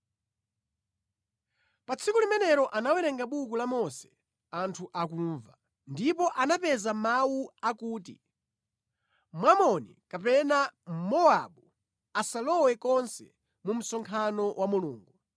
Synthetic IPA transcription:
pat͡sʰikulimɛnɛɾɔʔanawɛɾɛŋɡaɓukulamɔsɛ̥ | antʰuʔak̬uɱva | ndipɔʔanapɛzamawuakuːtḭ | mwamɔnḭkapɛnamɔaɓu | asalɔwɛkɔnsɛ̰ | mum̩sɔŋkʰanɔwʔamuluːŋɡu

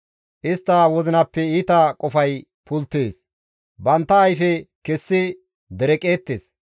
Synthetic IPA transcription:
ʔɪst̪ːɐwɔzɪnɐpːɛiːt̪ɐkʼɔfɐj | pʰʊlt̪ːeːs | bɐnt̪ːɐːjfɛkɛsːɪ | d̪ɛɾɛkʼe̞ːt̪ːeːs

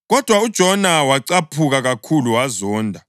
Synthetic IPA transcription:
ɣɔd̥ʱwaud̥ʒ̥ʱɔnawaǀapʰuɣaɣakʰuluwazɔːndʱa

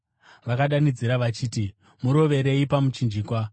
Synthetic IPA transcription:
ʋakaɗanid͡ziɾaʋat͡ʃiːti | muɾo̞ʋe̞ɾe̞ipamut͡ʃind͡ʒiːkwa

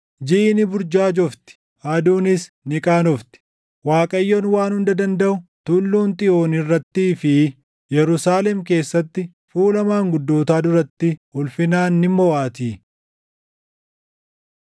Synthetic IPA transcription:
d͡ʒɪʔnɪbʊɾd͡ʒaːd͡ʒɔft̪ɪ̥ | haːd̪uːnɪs | nɪkʼaːnɔft̪ɪ̥ | waːkʼɐjːɔnwaːnhʊnd̪ɐd̪ɐnd̪ɐʔʊt̪ʊlːuːnt̪ʼɪʔo̞ːnɪrːɐt̪ːiːfɪ | jɛɾʊsaːlɛmke̞ːsːɐt̪ːɪ | fuːlɐmaːŋɡʊd̪ːoːt̪aːd̪ʊɾɐt̪ːɪhʊlfɪnaːnːɪmːɔwaːt̪iː

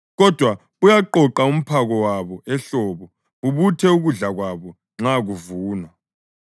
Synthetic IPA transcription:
ɣɔd̥ʱwa | ujaǃɔǃaum̩pʰaɣɔwaβɔɛɬɔːβɔ | βuβutʰɛuɣuɮaɣwaβɔ | ŋ͡ǁaɣuvuːnwa

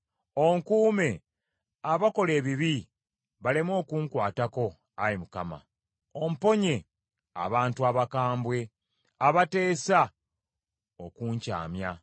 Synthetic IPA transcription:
o̞ŋkuːme̞ | aβako̞le̞ːβiβi | βalemwo̞ːkuːŋkwaːtako̞ | ajimukama̰ | om̩po̞ɲe̞ | a̰βaːntuaβakaːmbwe̞ | aβate̞ːsa | o̞kuːɲca̰ːmja

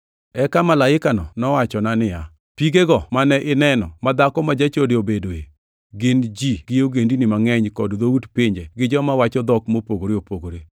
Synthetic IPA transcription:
ɛkamalaɪkanɔnɔwat͡ʃɔnanɪja | piɡeɡɔmanɛʔɪnɛnɔ̰mad̪akɔmad͡ʒat͡ʃodeobedoe | ɡɪnd͡ʒiɡ̥ɪjoɡendinɪmaŋɛɲkɔdd̪outpɪɲd͡ʒeɡɪd͡ʒɔmawat͡ʃɔd̪ɔkmopoɡoɾeopoɡoɾe

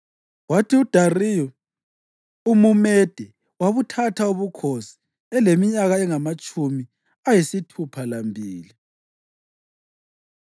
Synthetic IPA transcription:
watʰiud̥ʱariːjɔ | umumɛd̥ʱɛ | waβutʰatʰauβukʰosi̥ | ɛlemiɲaɣaɛŋamat͡ʃʼumi | ajisitʰupʰalambʱiːli

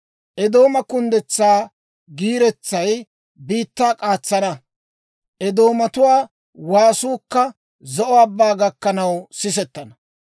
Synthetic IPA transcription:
ʔɛd̪o̞ːmɐkʊnd̪ɛt͡sːaː | ɡiːɾɛt͡sːɐj | biːt̪ːaːkʼaːt͡sːɐnɐ | ʔɛd̪o̞ːmɐt̪ʊwaː | waːsuːkːɐ | zɔʔɔabːaːɡɐkːɐnɐwsɪs̬ɛt̪ːɐnɐ

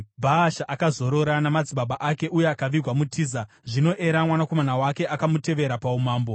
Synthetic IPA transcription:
bʱaːʃaʔakazo̞ɾo̞ɾanamad͡ziɓaɓaʔake̞ʔuje̞akaʋirwamutʰiːza | ʐino̞ʔe̞ɾamwanako̞manawake̞ʔakamute̞ʋe̞ɾapaumaːmbo̞

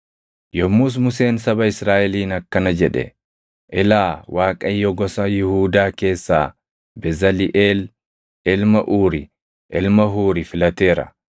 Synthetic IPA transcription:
jɔmːuːs̬mʊse̞ːnsɐbɐɪsɾaːʔɛliːnɐkːɐnɐd͡ʒɛᶑɛ̰ | ʔɪlaːwʔaːkʼɐjːɔɡɔsɐjɪhuːd̪aːke̞ːsːa̰ː | bɛzɐlɪʔeːl | ɪlmɐʔuːɾɪ | ʔɪlmɐɦuːɾɪfɪlɐt̪e̞ːɾɐ̰

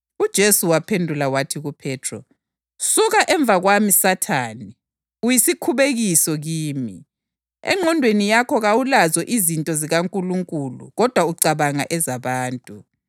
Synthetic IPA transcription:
ud̥ʒ̥ʱesuwapʰendʱulawatʰiɣupʰɛːtʰrɔ̰ | suɣaʔɛɱb̪vʱaɣwamisatʰaːni | ujisikʰuβeɣisɔɣiːmi | ɛ̰ŋ͡ǃʱɔndʱwenijakʰɔɣawulazɔʔizintʼɔziɣaŋkʼuluŋkʼulṵɣɔd̥ʱwauǀaβaŋa̰ʔɛzaβaːntʼu

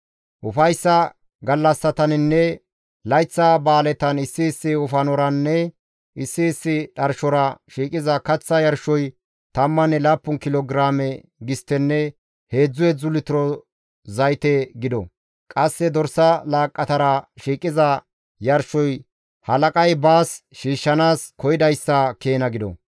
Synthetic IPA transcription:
ʔʊfɐjsːɐ | ɡɐlːɐsːɐt̪ɐnɪnːɛ | lɐjt͡sːɐbaːlɛt̪ɐnɪsːɪːsːɪʊfɐnɔɾɐnːɛ | ʔɪsːɪːsːɪᶑɐɾʃɔɾɐʃiːkʼɪzɐkɐt͡sːɐjɐɾʃɔj | t̪ɐmːɐnɛlaːpːʊnkɪlɔɡɾaːmɛ | ɡɪst̪ːɛnːɛ | he̞ːd͡zːʊjɛd͡zʊlɪt̪ɪɾɔ | zɐjt̪ɛɡɪd̪ɔ̰ | kʼɐsːɛd̪ɔɾsɐlaːkʼːɐt̪ɐɾɐʃiːkʼɪzɐ | jɐɾʃɔj | hɐlɐkʼɐjbaːsʃiːʃːɐnaːskɔjɪd̪ɐjsːɐkeːnɐɡɪd̪ɔ̰

